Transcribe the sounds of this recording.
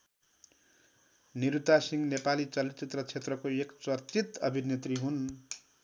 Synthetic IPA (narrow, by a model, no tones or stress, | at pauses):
niɾut̪asiŋnepalit͡sʌlit̪t͡sit̪rʌt͡sʰet̪rʌkoekt͡sʌrt͡sit̪ʌbʱinet̪riɦun